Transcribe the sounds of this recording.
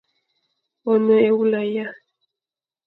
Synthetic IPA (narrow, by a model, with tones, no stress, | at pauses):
ɔ˨nɔ˦e˨wu˦la˨ja˦